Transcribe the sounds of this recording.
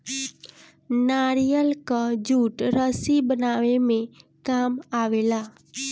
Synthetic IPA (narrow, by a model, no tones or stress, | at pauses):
naːɾijəlkad͡ʒuːʈɾəsibənaʋemẽkaːmaʋeːlaː